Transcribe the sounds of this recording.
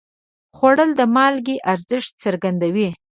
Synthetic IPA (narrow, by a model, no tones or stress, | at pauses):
xwaɽəld̪əmɑlɡeʔaɾzɪʂt̪̚t͡səɾɡand̪awi